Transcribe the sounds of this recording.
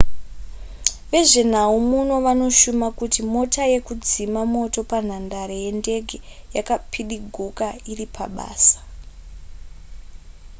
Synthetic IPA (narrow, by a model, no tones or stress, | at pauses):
ʋe̞ʐe̞n̤aumuno̞ʋano̞ʃumakutimo̞taje̞kud͡zimamo̞to̞pan̤andaɾeje̞nde̞ɡʱe | jakapʰiɗiɡʱukairipʰa̰ɓa̰ːsḁ